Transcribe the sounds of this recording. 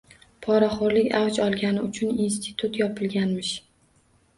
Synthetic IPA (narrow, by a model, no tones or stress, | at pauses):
pʰɒɾaχoɾlɪkʲawt͡ʃɒlˠɡʲanɪʊt͡ʃʰʊnins̬t̪ʰɪt̪ʰut̪jɒpʰɪlɡʲanmɪʃ